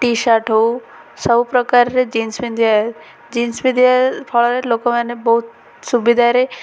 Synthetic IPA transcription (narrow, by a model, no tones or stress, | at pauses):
ʈiʃaʈou | səbʱupɾəkaɾɾed͡ʒiːnsmind̪ʱja | d͡ʒinsmid̪ʱjapʰɔɭɔɾelokomãnebɔɦut̪̚ | subid̪ʱaɾe